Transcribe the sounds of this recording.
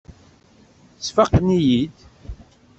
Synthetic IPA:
sfɑqːənijid̪

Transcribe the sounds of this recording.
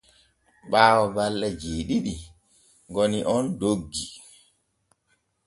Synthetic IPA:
ɓaːwɔbalːɛd͡ʒeːɗiɗi | ŋɡoniʔɔndoɡːi

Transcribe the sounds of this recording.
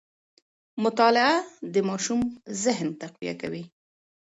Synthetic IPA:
mʊt̪ɑlɪad̪əmɑʃumzɪɦnt̪aqwḭja̰ka̰wi

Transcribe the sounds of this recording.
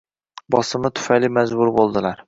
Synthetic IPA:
bɒsɨmɨt̪ʰʊ̥fɛjlɪmɛzbʊɾbolˠd̪ɨlˠæɾ

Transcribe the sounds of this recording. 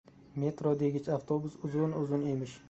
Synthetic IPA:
me̞t̪ɾod̪e̞ɡʲɪt͡ʃaft̪ʰobʊsʊzʊnʊzʊne̞mɪʃ

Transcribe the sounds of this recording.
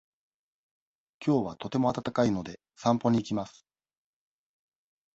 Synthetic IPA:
kʲʰo̞ːβat̪o̞t̪e̞mo̞at̪at̪akaino̞d̪e̞ | sãmpo̞ɲ̟iːkʲimasɨ̥

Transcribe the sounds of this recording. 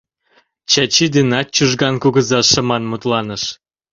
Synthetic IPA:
t͡ɕɑt͡ɕid̪inɑt̪̚t͡ɕuʒɣɑnkuɣəzɑʃə̆mɑnmut̪lɑnəʃ

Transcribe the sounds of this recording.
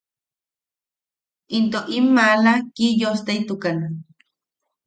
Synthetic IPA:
int̪oʔimːalakijost̪eit̪ukanan

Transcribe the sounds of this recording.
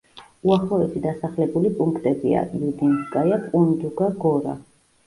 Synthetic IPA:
uaχlɔɛsid̪asaχlɛbulipʼuŋkʰt̪ʼɛbḭa̰jud̪inskʼajapʼund̪uɡaɡɔɾa̰

